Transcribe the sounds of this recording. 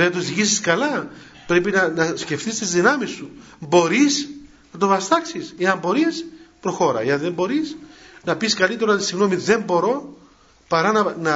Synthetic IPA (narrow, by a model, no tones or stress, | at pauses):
enɐt̪oksiʝisiskɐlɐ | pɾe̞pinɐnɐsce̞ft̪ist̪izðinɐmisːubo̞ɾiz | nɐt̪o̞vɐst̪ɐksiseɐmbo̞ɾispɾo̞xo̞ɾɐ̰eɐnðe̞mbo̞ɾisnɐpiskɐlit̪e̞ɾɐot̪isiɣno̞miðe̞mbo̞ɾo̞ | pɐɾɐnɐnɐ